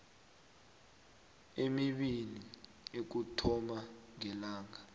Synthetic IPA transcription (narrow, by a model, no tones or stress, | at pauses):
emiɓili | ek̬utʰɔmaŋɛlaːŋa